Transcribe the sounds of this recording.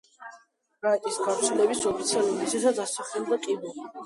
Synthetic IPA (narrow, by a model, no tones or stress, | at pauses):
ɾaɛt̪ʼisɡavt̪sʰlɛbisɔpʰit̪sʰialˠuɾiisɛsat̪sasaχɛld̪akʼibuli